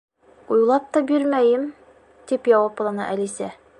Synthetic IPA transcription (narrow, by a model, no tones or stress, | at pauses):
ujlˠɑp̚t̪ɒbiɾmæjɘm | t̪ipjɒwɑplˠɑnɑ̰ʔælisæ